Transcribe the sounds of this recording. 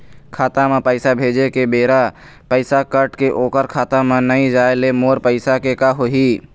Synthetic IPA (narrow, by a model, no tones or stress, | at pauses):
kʰaːt̪amẽpəɪsabʱeːd͡ʒekebeːɾa | pəɪsakəʈkeʔoːkəɾkʰaːt̪amẽnəĩd͡ʒaːelemoːɾpəɪsakekaɦoɦiː